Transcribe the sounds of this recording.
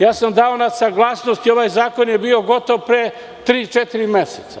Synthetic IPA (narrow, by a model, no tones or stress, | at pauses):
jaːsamd̪aonasaɡlˠaːsnost̪io̞ʋajzaːko̞njebiːo̞ɡo̞t̪o̞ʋpɾe | t̪ɾiːt͡ʃet̪iɾimeset̪sa